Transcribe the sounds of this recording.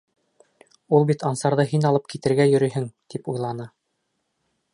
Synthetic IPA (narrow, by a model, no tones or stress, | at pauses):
ulˠbit̪ɑnsɑɾðɤɦinɑlˠɤp̚kit̪ɘ̆ɾɡæjɵ̆ɾɵ̆jɦɘŋt̪ipujlˠɑnɤ